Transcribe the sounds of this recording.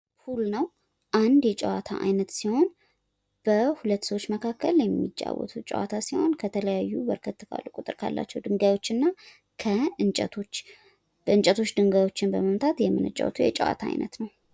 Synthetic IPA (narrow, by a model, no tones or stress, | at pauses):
hulnəw | ʔand̪jɛt͡ʃʼə̰wat̪ʰa̰ʔajnət̪siho̞n | b̥əhulət̪ːsəwot͡ʃːməkʰakːəljɛmːit͡ʃʼːa̰wɔ̰t̪ʰut͡ʃʼə̰wat̪ʰasiho̞nkʰət̪ʰələjajːubəɾkʰət̪ːɨka̰lːukʼut̪ʼɨɾkʰa̰lːa̰t͡ʃːɛwd̪ɨŋɡajwo̞t͡ʃːɨnːa | kʰəɨnt͡ʃʼə̰t̪ʰo̞t͡ʃː | b̥əɨnt͡ʃʼət̪ʰo̞t͡ʃːd̪ɨŋɡajwo̞t͡ʃːɪnbəməmt̪ʰat̪jɛmːɨnɨt͡ʃʼːa̰wt̪ʰujɛt͡ʃʼə̰wa̰t̪ʰaa̰jnʔə̰t̪nəw